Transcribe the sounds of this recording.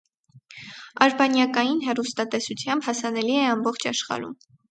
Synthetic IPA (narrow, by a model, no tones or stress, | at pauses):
ɑɾbɑnjɑkɑjinɦɛrust̪ɑt̪ɛsut͡sʰjɑmbhɑsɑnɛliɛɑmbɔχt͡ʃʰɑʃχɑ̰ɾṵm